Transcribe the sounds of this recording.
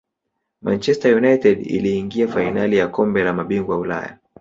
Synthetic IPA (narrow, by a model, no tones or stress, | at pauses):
ma̰nt͡ʃɛstajunajtɛdḭliːŋɡiafainalijakɔmbɛlamaɓiŋɡwaula̰ja̰